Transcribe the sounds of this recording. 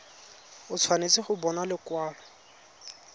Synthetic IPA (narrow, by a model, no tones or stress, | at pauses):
ʊt͡sʰwanet͡sɪχʊbɔnalɪkwaːlɔ